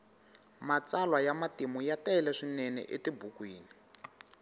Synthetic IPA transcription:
mat͡salwajamatimujataɛlɛʂinɛnɛ̰ʔetibukwiːni

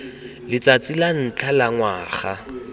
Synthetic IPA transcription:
lɪt͡sat͡sʼilan̩t͡ɬʰalaŋwaːχa

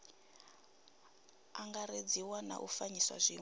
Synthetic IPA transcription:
aŋɡaɾed͡ziwana̰ʔufaɲiswa̰zʷiː

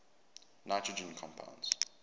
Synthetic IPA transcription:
naɪtʰɹəd͡ʒə̃nkʰɔ̃mpʰã̰ʊ̃ndz̥

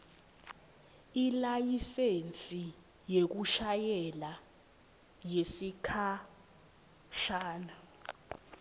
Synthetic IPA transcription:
ilajisent͡sʼi | jek̬uʃajɛla | jesikʰa | ʃaːna

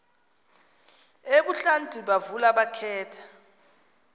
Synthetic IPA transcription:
eɓuɬantʼiɓavulaɓakʰɛːtʰḁ

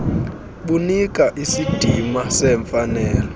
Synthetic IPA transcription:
ɓunikʼaʔisid̥ʱimasɛɱfanɛːlɔ

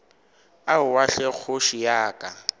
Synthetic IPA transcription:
aʊwaɬɛk͡xʰʊʃijaːkʼa

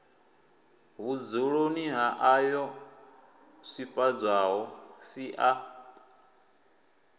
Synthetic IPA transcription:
ɦud͡zuɺoniɦaʔajɔ | sipʼad͡zʷaɦɔsiʔa

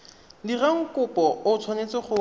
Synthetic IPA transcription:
diraŋ̩kʊpɔʊt͡sʰwanet͡sɪχʊ

